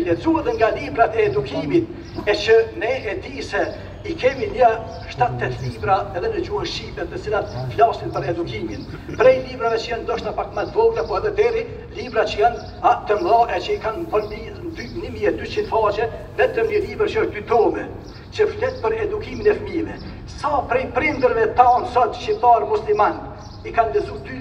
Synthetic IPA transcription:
lɛd͡zuɛðɛŋɡalibɾat̪ɛːd̪ukʰimit̪̚ | ɛt͡ʃənɛɛd̪isɛ | ikɛmiɲə | ʃt̪at̪ːɛt̪libɾaɛðɛnəd͡ʑuhanʃipɛt̪ːət͡silat̪flasinpəɾɛd̪ukimin | pɾɛjlibɾavɛt͡ʃəjand̪ɔʃt̪apakmat̪vɔɡlapɔɛðɛd̪ɛɾi | libɾat͡ʃəjan | at̪əmɡlaʔɛt͡ʃəikanvɔli | d̪ynəmiɛd̪yt͡ʃind̪fat͡ʃɛ | ðɛt̪əməlivəɾt͡ʃəɔʃt̚d̪yt̪ɔmɛ | t͡ʃəft̪ɛt̪̚pəɾɛd̪ukiminɛfəmiðɛ | sapɾɛjpɾind̪əɾvɛt̪ansɔt̪ʃip̚t̪aɾmusliman | ikand̪ɛzud̪y

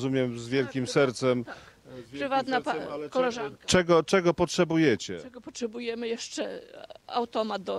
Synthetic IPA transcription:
zumʲjɛmzvʲjɛlkʲimsɛɾt̪sɛm | ɨvat̪napakɔlɛʐankt͡ʂɛɡɔt͡ʂɛɡɔpɔtʂɛbujɛt͡ɕɛ̰ɛɡɔpɔtʂɛbujɛmɘjɛʂt͡ʂɛa̰wt̪ɔmat̪̚d̪ɔ

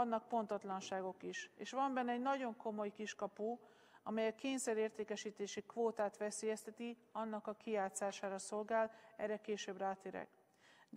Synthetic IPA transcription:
nːɒk̚po̞nt̪ɒt̪lɒnʃaːɡo̞kiʃeːʃʋɒmbɛnːɛɛɟnɒɟo̞ŋko̞mo̞jkiʃkɒpu | ɒmɛjɛkeːɲsɛɾeːrt̪eːkɛʃiːt̪eːʃikʋoːt̪aːt̪ʋɛseːjɛst̪ɛt̪iɒnːɒkɒkiaːt̪saːʃaːɾɒso̞lɡaːlɛrɛkeːʃøbraːt̪eːɾɛ̰ɡ | d̪

